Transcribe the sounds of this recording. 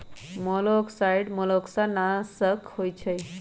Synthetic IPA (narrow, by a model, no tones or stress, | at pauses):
mɔlɔksajɽmɔlɔksanasəkhojt͡ɕʰəj